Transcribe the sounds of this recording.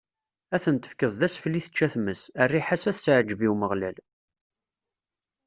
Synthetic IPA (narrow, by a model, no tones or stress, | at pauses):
æθənt̪ə̥fkəðˤðæsfliθə̥t͡ʃːæθməsərːiħasæθt͡sʕd͡ʒəviwməʁlæ̰l